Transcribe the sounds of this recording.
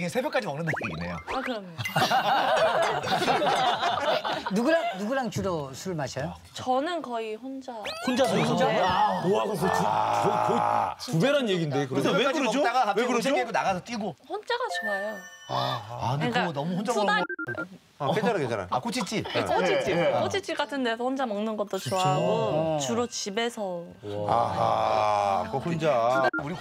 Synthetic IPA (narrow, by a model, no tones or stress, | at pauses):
ɡesʰe̞bʲjʌk͈ad͡ʑimʌŋnːɯndɯkiɡinḛjo̰akɯɾʌmjo | nuɡuɾaŋnuɡuɾaŋt͡ɕuɾosʰuɯɭmaɕʰʌjo | t͡ɕʌnɯnkʌiɸond͡ʑahond͡ʑasʰoihond͡ʑaoaɡokotukkoitubeɾanjeɡindekɯejkait͈aɡaɦas̬ʰeeɡonaɣasʰʌt͈iɡoɸond͡ʑaɡat͡ɕoajo | anek͈aonʌmuhond͡ʑa | ked͡ʑaɾakeaɾa̰ak͈ot͡ɕʰit͡ɕ͈iot͡ɕʰit͡ɕ͈ik͈ot͡ɕʰit͡ɕ͈ik͈atʰɯndesʰʌɸond͡ʑamʌŋnɯnɡʌt͈ot͡ɕoaɡot͡ɕuɾot͡ɕibe̞sʰʌ | a̰ | kohond͡ʑauɾi